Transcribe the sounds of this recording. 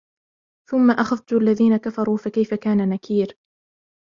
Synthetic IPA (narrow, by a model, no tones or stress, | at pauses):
θʊmːaʔaxaft̪ʊʔalːaðiːnakafɑɾˤuːfakajfakaːnanakʰiːɾ